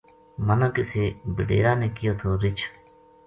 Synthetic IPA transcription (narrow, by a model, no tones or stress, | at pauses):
mənãːkɪseːbəɖḛːɾaːnẽːkɪjoːt̪ʰoːɾɪt͡ʃʰ